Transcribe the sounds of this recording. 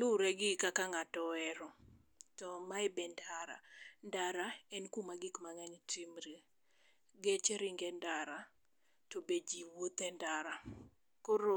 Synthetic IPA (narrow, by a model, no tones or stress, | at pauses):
luɾɛɡɪkakaŋatɔɛɾɔ | tɔmaɪbɛndaɾa̰ndaɾaɛnkumaɡikmaŋɛntimɾi | ɡet͡ʃeɾiŋɡɛndaɾa | tobed͡ʒiwot̪ɛndaɾa | koɾo